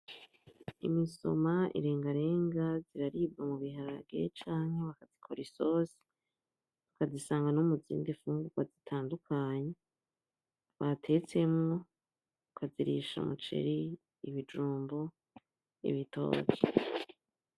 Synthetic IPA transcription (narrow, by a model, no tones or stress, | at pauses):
ḭmiso̞̰maʔḭɾe̞ːŋɡaɾe̞ːŋɡaziɾaɾib̚ɡamuβiɦaɾabɡe̞̰t͡ʃaːnhe̞βakazikʰoɾisoːsi̥ | tukazisaːŋɡanumuzḭːndifuːŋɡuɡ̥wazitʰaːndukʰaːɲe | βatʰe̞t͡se̞mŋo | ukʰaziɾḭʃa̰mṵt͡ʃe̞̰ɾiː | βid͡ʒuːmbo | ḭβito̞̰ːke